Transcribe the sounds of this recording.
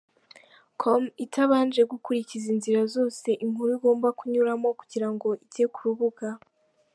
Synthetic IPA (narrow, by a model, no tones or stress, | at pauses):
kʰomitʰaβaːnd͡ʒe̞ɡukuɾicizinziɾazo̞ːse̞ʔiŋhuɾuiɡo̞ːmbakuɲuɾamo̞kuɟiɾaŋɡo̞ʔitekuɾuβuɡa